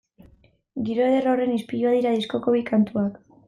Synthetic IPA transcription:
ɡiɾo̞eðero̞re̞nispijuað̞iɾaðisko̞ko̞βikant̪uak

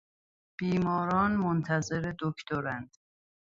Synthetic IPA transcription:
b̥iːmɒːɾɒːnmont̪ʰæze̞ɾed̪okʰt̪ʰoɾænd̪̥

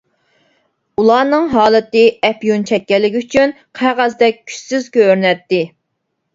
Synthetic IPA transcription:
ulˠɑːnɨŋɦɑːlˠɨt̪ɨɛpjunt͡ʃʰɛk̚ʲːɛlːɪkʲyt͡ʃʰyn | qʰæʁæzd̪ɛk̚ʲkʲʰy̥sɪzkʲøɾnɛt̪ːɪ

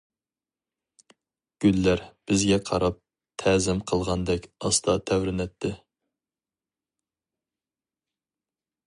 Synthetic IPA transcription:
ɡ̥ʲylːæɾb̥ɪzɡʲɛqʰɑɾɑp̚ | t̪ʰɛzɪmqʰəlˠʁɑnd̪ɛkʲɑst̪ʰɑt̪ʰɛwɾɪnɛt̪ʰːɪ

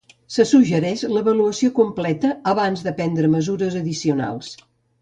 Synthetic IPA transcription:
səsuʒəɾɛʃləβəluəsiokumplɛt̪əːβanzðəpɛnd̪ɾəməzuɾəzəðisiuna̰lˠs

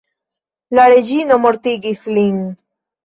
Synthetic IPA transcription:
laɾed͡ʒinomoɾt̪iɡisliŋ

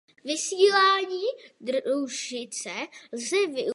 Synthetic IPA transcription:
vɪsiːlaːɲiːd̪ɾuʃɪt͡sɛlzɛvɪ

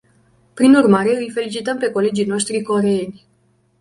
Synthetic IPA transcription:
pɾinurmaɾe̞ɨjfe̞lit͡ʃit̪əmpe̞ko̞le̞d͡ʒijno̞ʃt̪ɾiko̞ɾeenʲ

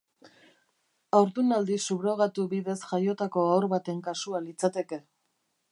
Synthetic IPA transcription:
awɾðunald̪isuβɾo̞ɣ̞at̪uβiðe̞sʝajo̞t̪ako̞awɾβat̪e̞ŋkasualit͡sat̪e̞ke̞

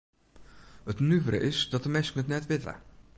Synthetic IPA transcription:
ətnyvɾə̰ʔɪsdɔtəmɛsəŋətnɛtʋɪtə̰

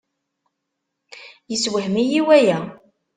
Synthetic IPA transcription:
jəswəhmijiwæjæ

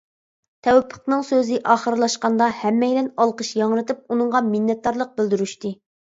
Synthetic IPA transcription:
t̪ʰɛwɛpʰːə̥qnɨŋsøzɪʔɑːχəɾlˠɑʃqɑnd̪ɑhɛmːɛjlɛnɑlˠqəʃjɑŋɾɨt̪ʰɨp̚unɨŋʁɑmɪnːɛt̪̚d̪ɑɾlˠəq̚bɪld̪yɾyʃt̪ɨ

